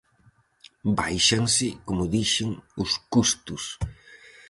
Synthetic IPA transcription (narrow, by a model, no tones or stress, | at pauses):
ba̰jʃaŋsɪkomʊðiʃɪŋʊskust̪ʊs